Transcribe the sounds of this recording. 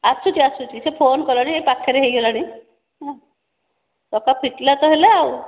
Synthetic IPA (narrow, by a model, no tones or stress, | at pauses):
asut͡ʃiasut͡ʃisepʰonkɔlaɽ̃iepakʰaɾeɦejɦelaɽ̃i | ɦã | tɔkapʰiʈlat̪ɔɦelaːw